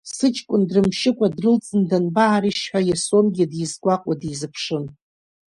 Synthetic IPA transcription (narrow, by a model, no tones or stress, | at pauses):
sɨt͡ʃʰʼkʷʼʊndrɨmʃɪkʷʼadrɨlt͡sʼɨndanbaːɾiʃħᶣajasomɡʲɪdjizɡʷaqʷʼadizɨpʰʂɨn